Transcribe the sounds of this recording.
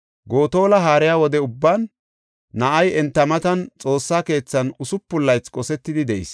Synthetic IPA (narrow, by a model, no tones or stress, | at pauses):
ɡo̞ːt̪o̞ːlɐɦaːɾɪjaːwɔd̪ɛʊbːaːnː | ɐʔɐjɛnt̪ːɐmɐt̪ɐnt͡sʼo̞ːsːaːke̞ːt͡sːɐnʊsʊpːʊlːɐjt͡skʼɔsɛt̪ːɪd̪ɪd̪ɛʔɪ̰s